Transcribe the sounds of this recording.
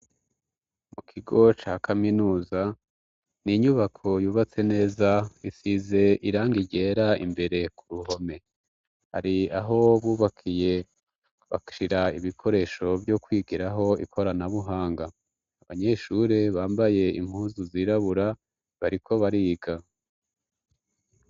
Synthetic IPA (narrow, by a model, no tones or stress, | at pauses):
mukʰiɡo̞t͡ʃaːkʰaminuːza | niɲuβakʰo̞juːβat͡se̞ne̞ːzaisize̞iɾaːŋɡiɟe̞ːɾaḭmbe̞ɾe̞kuɾuɦo̞me̞ | ha̰ɾiaɦo̞βuːβakʰije̞ | βa̰ʃiɾaiβikʰo̞ɾe̞ːʃo̞bjo̞kwiːɡiɾaɦo̞ikʰo̞ɾanaβuɦaːŋɡaː | βaɲe̞ʃuɾeβaːmbaje̞ḭm̥huːzuziːɾaβuɾa | βaɾikʰo̞βaɾiɡa